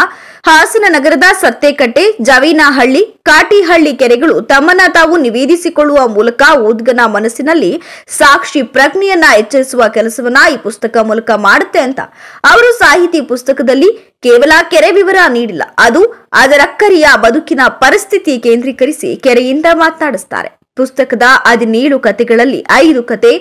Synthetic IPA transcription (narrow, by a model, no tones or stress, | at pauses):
haːsɐnɐnɐɡɐɾɐd̪ɐsɐt̪ːekɐʈːe̞d͡ʒɐʋiːnɐɦɐɭːikaːʈiɦɐɭːikɛɾɛɡɐɭut̪ɐmːɐnːɐt̪aːʋuniʋeːd̪isikoɭːuʋɐmuːlɐkɐuːd̪ɡɐnɐmɐnɐsːinɐlːisaːkʂipɾɐɡɳijɐnːɐɦɛt͡ʃːɐɾisuʋɐkɛlɐsɐʋɐnːɐiːpust̪ɐkɐmuːlɐkɐmaːɽut̪ːe̞ɐnt̪ɐ̰ɐʋɐɾusaːɦit̪ipust̪ɐkɐd̪ɐlːi | kɛːʋɐlɐkɛɾeʋiʋɐɾɐniːɽilːɐ̰ɐd̪uɐd̪ɐɾɐkːɐɾijɐbɐd̪ukinɐpɐɾist̪ʰit̪ikeːnd̪ɾiːkɐɾisḭkɛɾɛjind̪ɐmaːt̪naːɽist̪a̰ːɾe̞̰ | pust̪ɐkɐd̪ɐʔɐd̪iniːɭukɐt̪ɛɡɐɭɐlːḭʔɐjd̪ukɐt̪e